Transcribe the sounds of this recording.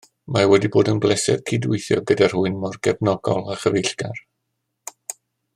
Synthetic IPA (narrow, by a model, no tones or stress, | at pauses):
mawɛdiboːdənblˠɛsɛ̰ð̥kʰidʊɨθjɔ̰ɡədar̥hʊɨnmɔrɡɛbnɔɡɔlˠaχəvejɬɡ̥ar